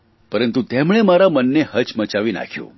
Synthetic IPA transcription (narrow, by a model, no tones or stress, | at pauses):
pəɾənt̪ut̪emɳemaɾamənːehət͡ʃmət͡ʃaʋina̰kʰjṵ̃